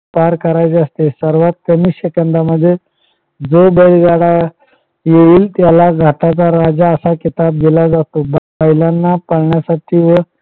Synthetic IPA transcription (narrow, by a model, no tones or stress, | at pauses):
paɾkəɾajt͡səst̪esəɾʋat̪̚kəmiɕəkənd̪aməd̪ʱːje | d͡zobəjlɡaɽa | jeʋiːlt̪jalaɡʱaʈat͡saɾad͡zaəsakit̪ab̚ɡelad͡zat̪ob | əjlanːapəɽɳjasaʈʰiːʋə